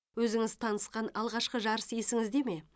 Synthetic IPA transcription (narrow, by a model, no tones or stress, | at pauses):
wɵzɪŋɪzt̪ʰɑnəsqɑnɑlˠʁɑʃqəʒɑɾəsje̞sɪŋɪzd̪e̞me̞